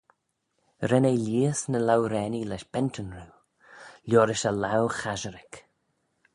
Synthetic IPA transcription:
ɾɛneliːəsnəlawɾɛːnilɛʃb̥ɛntʰənɾuː | lʲjɔːɾɪʃəlawxaʒəɾɪk

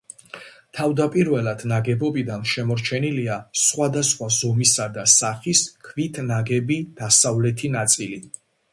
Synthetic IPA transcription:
t̪ʰavd̪apʼiɾvɛlad̪̥naɡɛbɔbid̪anʃɛmɔɾt͡ʃʰɛniliasχwad̪asχwazɔmisad̪asaχiskʰvit̪ʰnaɡɛbid̪̥asavlɛt̪ʰinat̪sʼili

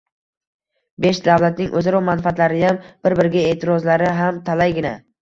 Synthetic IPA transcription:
beʃd̪awlat̪̚nɪŋʔɵzaɾɒmanfaat̪laɾɪjamb̥ɪɾbɪɾɡʲaet̪ʰɪɾɒzlaɾɪɦamt̪ʰalajɡʲɪna

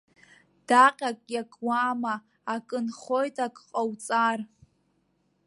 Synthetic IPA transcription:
d̥aqʲʼakʼjakʼwamaː | kʼɨnχo̞jtʰʼakʼqʼawt͡sʼar

